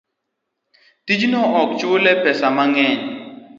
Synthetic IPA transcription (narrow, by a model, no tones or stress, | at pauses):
tid͡ʒinɔʔɔk̚t͡ʃuolɛpɛsamaŋɛɲ